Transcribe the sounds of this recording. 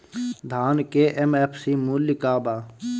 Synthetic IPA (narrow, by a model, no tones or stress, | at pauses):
d̪ʱaːnkeʔemepʰsimulikaːbaː